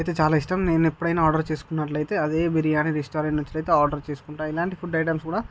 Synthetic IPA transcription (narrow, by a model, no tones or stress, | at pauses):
ɐjt̪e̞ːt͡ʃaːlaːiʂʈɐmne̞ːnipːuɽɐjnaːaːɾɖɐɾt͡ʃe̞ːsu̥kunːɐʈlɐjt̪e̞ːɐd̪eːbiɾijaːniɾisʈoːɾeɳʈnɐt͡ʃːɐʈɐjt̪eːaːɾɖɐɾt͡ʃe̞ːsu̥kuɳʈaːilaːɳʈipʰuɖɐjʈɐmskuːɽaː